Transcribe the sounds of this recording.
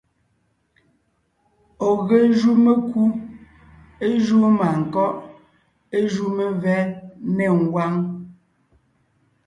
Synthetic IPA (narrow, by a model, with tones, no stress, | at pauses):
ɔ˨ɣe˨ʒu˦me˦ku˦ | e˦ʒu˦ma˨ŋ̩˨kɔ˦ʔ | e˦ʒu˦me˨vɛ˦nɛ˨ŋ̩˨ɡwa˦ŋ